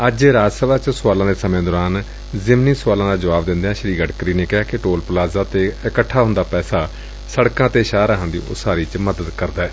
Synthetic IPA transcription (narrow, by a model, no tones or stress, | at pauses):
əd͡ʒɾaːd͡ʒsəʋaːt͡ʃsʊaːlãːd̪eːsəmẽːd̪ɔːɾaːn | zɪmniːsʊaːlãːd̪aːd͡ʒəʋaːbd̪ɪnd̪eãːʃəɾiːɡəʈkɾiːneːkɪɦaːkɪʈoːlplaːzaːt̪eːɪkəʈʰːaːɦʊnd̪aːpɛːsaː | səɽkãːt̪eːʃaːɾəɦãːnd̪ḭːʔʊ̰saːɾiːt͡ʃməd̪əd̪kəɾd̪aːɛː